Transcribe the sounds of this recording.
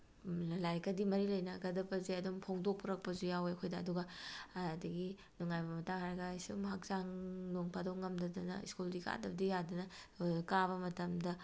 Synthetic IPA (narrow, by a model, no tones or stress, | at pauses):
llajkɐdimɐɾilɐjnɐɡɐdɐbɐzeɐdumpʰoŋdok̚pʰuɾɐk̚pɐzujaweɐkʰojdɐːduɡɐː | dɐɡi | nuŋajbɐmɐtaŋhaɾɐɡɐsumɦak̚zaŋnoŋpʰadowŋɐmdɐdɐnɐ̰ḭskuldika̰dɐbɐdijadɐnɐkaβɐmɐtɐmdɐ